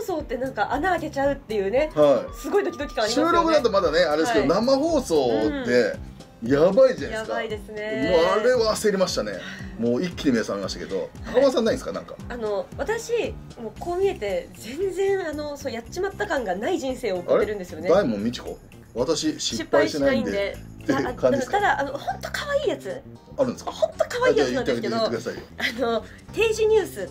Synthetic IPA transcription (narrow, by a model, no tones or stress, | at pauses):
oso̞ːt̪ːe̞nãŋkaʔanaːke̞t͡ɕaɯ̟t̪ːe̞jɯ̟ːne̞haisɨɡo̞id̪o̞kʲid̪o̞kʲi̥kãiɕɯːɾokɯd̪at̪omad̪aneaɾe̞d̪esked̪namaho̞ːso̞ːd̪e̞ | jabaid͡ʑanjkaid̪e̞sɨnemoaɾe̞ase̞ɾʲimaɕi̥t̪anḛmoːikʲːiɲimesamemaɕi̥t̪ake̞d̪o̞̰akamas̬ãnːaĩnsɨ̥kanã̰ŋka̰ano̞βat̪aɕi | mo̞ːko̞ːmʲie̞t̪e̞d͡zẽ̞nd͡zẽ̞ɰ̃ano̞sojat͡ɕːimat̪ːakãŋɡanaiʑĩɰ̃se̞ːokaɾeɾɯ̟̃nd̪e̞sɨjo̞ne̞d̪aimõmʲmʲit͡ɕi̥ko̞̰ | βat̪aɕiɕiɕipːaiiɕt̪enanaiiĩnd̪ed̪e̞ekãɲiskt̪ad̪aʔanohõ̞nt̪o̞̥kaβaiːjat͡sɨ | aɾɯ̟nd̪eskahõ̞nt̪o̞kaβaiːjaɨnãneaɡekedoekɯd̪asaḭano̞ | t̪e̞ːʑiɲ̟ɨːsɨ